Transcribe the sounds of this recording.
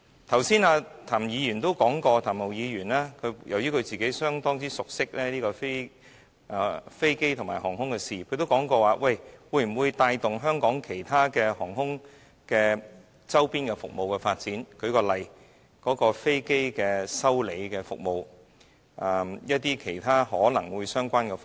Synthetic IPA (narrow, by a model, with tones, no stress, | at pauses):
t̪ʰɐ˨˩wsiː˥naː˧t̪ʰaː˨˩mjiː˨˧ɥyː˨˩nt̪o˥wkɔː˨˥ŋkɔː˧t̪ʰaː˨˩mo˨˩wjiː˨˧jyː˨˩naː˥kʰɵ˨˧jɐ˨˩wjyː˥kʰɵ˨˧t͡siː˨ke˨˥jsœː˥ŋt̪ɔː˥ŋt͡siː˥sʊ˨k̚sɪ˥k̚lɛː˥liː˥kɔː˧fe˥˨ | fe˥jke˥jt̪ʰŋmaː˨˩hɔː˨˩ŋhʊ˥ŋkɛː˧siː˨kʰɵ˧ɥt̪o˥wkɔː˨˥ŋkɔː˧waː˨˧wɐ˧jwuː˨˧jm̩˨˩wuː˨˧jt̪aː˧jt̪ʊ˨ŋɦœː˥ŋkɔː˨˥ŋkʰe˨˩jt̪ʰaː˥kɛː˧hɔː˨˩ŋhʊ˥ŋ | kɛː˧ | t͡sɐ˥wpiː˥nkɛ˧fʊ̰˨k̚mo˨wkɛː˧faː˧t̚t͡siː˨˥nkʰɵ˨˧ɥkɔː˧lɐ˨˩j | kɔː˨˥kɔː˧fe˥jke˥jkɛː˧sɐ˥wle˨˧jkɛː˧fʊ̰˨k̚mo˨˧w | ʔɐ˨˩jɐ˥t̚t̪iː˥kʰe˨˩jt̪ʰaː˥hɔː˨˥lɐ˨˩ŋwuː˨˧jsœː˥ŋkʷaː˥nkɛ˧f